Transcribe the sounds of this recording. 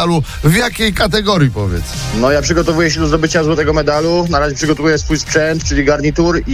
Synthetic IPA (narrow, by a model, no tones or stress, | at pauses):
aluvjakʲejkat̪̬ɛɡɔɾjipɔvʲjɛ̰t̪s | nɔjapʂɘɡɔt̪ɔvujɛɕɛd̪ɔzd̪ɔbɘt͡ɕazwɔt̪ɛɡɔmɛd̪alunaɾaʑɛpʂɘɡɔt̪ɔvujɛsfujspʂɛnt̪t͡ʂɘlʲiɡaɾɲit̪uɾi